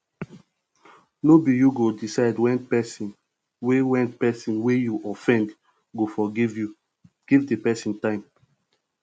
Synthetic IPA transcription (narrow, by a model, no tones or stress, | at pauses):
nobijuɡodisaɪdwɛ̃npɛsĩn | wewɛ̃ntpɛsĩnwejuʔɔfɛ̃nd | ɡofɔɡivju | ɡ̥ivdepɛsĩntãɪ̃m